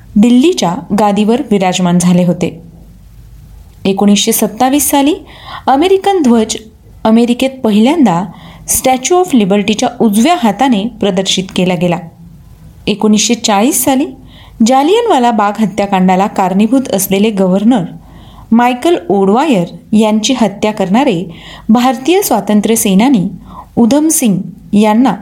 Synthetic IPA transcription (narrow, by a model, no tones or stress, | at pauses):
d̪ilːit͡ɕjaɡad̪iʋəɾʋiɾad͡zmand͡zʱaleɦot̪e | ekoɽ̃isɕesət̪ːaʋiːsːaliː | əmeɾikənd̪ʱʋəd͡ʑ | əmeɾiket̪̚pəɦiljãnd̪asʈæt͡ɕuɔflibəɾʈit͡ɕjaʔud͡zʋjaɦat̪anepɾəd̪əɾɕit̪kelaɡela | ekonisɕet͡saɭiːsːaliː | d͡ʑalijənʋalabaɡɦət̪jakãɳɖalakaɾnibʱut̪əsleleɡəʋəɾnəɾ | majkəloɽʋajəɾjaɲt͡ɕiːɦət̪jakəɾɳaɾebʱaɾt̪ijəsʋat̪ənt̪ɾəsenaniːud̪ʱəmsiŋɡjanːa